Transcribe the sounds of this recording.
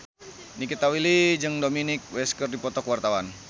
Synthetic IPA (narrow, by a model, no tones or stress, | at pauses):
nikit̪awilid͡ʒɨŋdominɪk̚wɛskərdipɔt̪ɔkwart̪awan